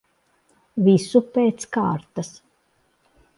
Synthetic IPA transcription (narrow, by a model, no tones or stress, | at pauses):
visupeːt̪ska̰ːɾt̪as